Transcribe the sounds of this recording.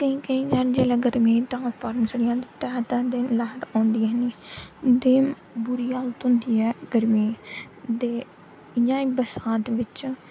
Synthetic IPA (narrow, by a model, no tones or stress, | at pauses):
k̪əĩːkəĩːd͡ʒɛːnd͡ʒeːlaːɡəɾmĩːʈãːpʰaːɾmsəɽijãːt̪et̪ɛːt̪ɛːd̪enlɛːʈãːnd̪iːɛːniːd̪eːm | bʊɾiːaːlt̪ʊ̃nd̪iːɛːɡəɾmĩː | d̪eː | ɪjãːiːbəsaːt̪ʋɪt͡ʃ